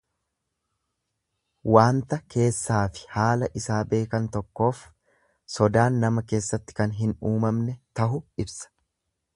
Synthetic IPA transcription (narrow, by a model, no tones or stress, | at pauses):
waːnt̪ɐkʰe̞ːsːaːfɪ̥haːlɐʔɪsaːbe̞ːkɐnt̪ɔkːo̞ːf | sɔd̪aːnːɐmɐke̞ːsːɐt̪ːɪ̥kɐnɦɪnuːmɐmnɛt̪ɐɦʊɪbsɐ̥